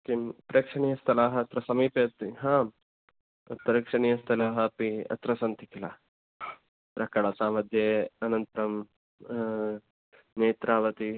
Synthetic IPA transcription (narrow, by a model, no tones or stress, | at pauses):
kimpɾeːkʂɐɳijɐst̪ʰɐlaːɦɐɐt̪ɾɐsɐmiːpeɐt̪iɦãː | pɾeːkʂɐɳijɐst̪ʰɐlaːɦɐpiɐ̰t̪ɾɐsɐnt̪ikilaː | t̪ɾɐkɐɽasaːmɐd̪ʱjeɐnɐnt̪ɐɾɐm | neːt̪ɾaːʋɐt̪i